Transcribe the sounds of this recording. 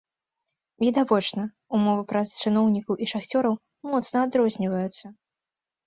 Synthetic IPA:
vʲid̪avɔt͡ʂnɐ | umɔvɨpɾɐst͡ʂɨnɔwnʲikɐwʔiʂaxt͡sʲɔɾɐw | mɔt̪snɐad̪ɾɔzʲnʲivɐjut̪sːɐ

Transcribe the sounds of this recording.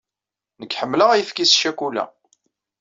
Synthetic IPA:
nəkːħəmːləʁæjəfkisʃækulæ̰

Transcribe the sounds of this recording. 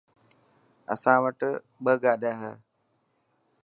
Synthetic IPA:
ə̰sãːʋəʈ | ɓəɡaːɗaːɦə

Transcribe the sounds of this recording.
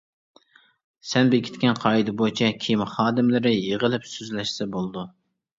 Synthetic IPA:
sɛnbekʲʰɪ̥t̪ʲkʲɛnqʰɑːid̪ɪbojt͡ʃʰɛkʲʰijmχɑːd̪ɪmlɪɾɪjeʁəlɪpsøzlɛʃsɛbolˠd̪u

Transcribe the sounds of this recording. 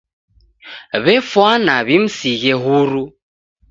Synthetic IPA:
βɛfwanaβim̩siɣɛɦuɾu

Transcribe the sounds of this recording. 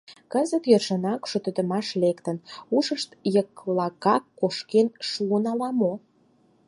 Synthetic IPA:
kəzət̪jerʃənɑkʃot̪ə̆d̪ə̆mɑʃlekt̪ənuʃəʃt̪jəklɑkɑkːoʃkenʃuənɑlɑmo

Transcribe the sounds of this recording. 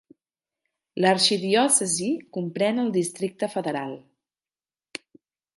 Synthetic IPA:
ləɾʃiðiɔsəzikumpɾɛnəlˠd̪ist̪ɾik̚t̪əfəðəɾalˠ

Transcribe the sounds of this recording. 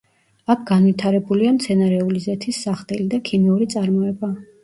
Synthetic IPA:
akʰɡanvit̪ʰaɾɛbuliamt̪sʰɛnaɾɛulizɛt̪ʰisːaχt̪ʼɛlid̪akʰimiuɾit̪sʼaɾmɔɛba

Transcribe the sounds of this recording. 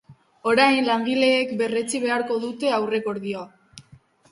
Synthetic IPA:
o̞ɾajnlaŋɡile̞ːkbe̞re̞t͡siβ̞e̞aɾko̞ðut̪e̞awre̞ko̞ɾðioa

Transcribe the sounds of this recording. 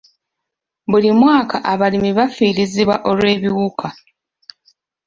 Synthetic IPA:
bulimwaːkaʔaβalimiβafiːɾiziβwa̰ʔo̞lwe̞ːβiwukʰa

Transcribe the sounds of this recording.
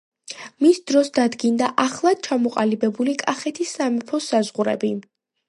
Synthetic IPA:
misd̪ɾɔsd̪ad̪ɡind̪aʔaχlˠad̪̥̚t͡ʃʰamɔqʼalibɛbulikʼaχɛt̪ʰisːamɛpʰɔsazʁuɾɛ̰bi

